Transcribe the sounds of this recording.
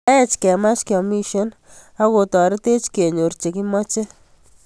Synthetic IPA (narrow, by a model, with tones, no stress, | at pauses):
e˦t͡ʃkɛ˨ma˦t͡ʃkɔ˨mi˦ʃo˦n | a˦ko˨tɔ˨ɾe˦te˦t͡ʃke˨ɲo˨ɾt͡ʃe˨ki˦mɔ˦t͡ʃe˦